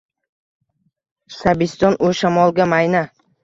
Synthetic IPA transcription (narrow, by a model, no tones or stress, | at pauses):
sabɪst̪ɒnʔoʃamɒlˠɡʲamajna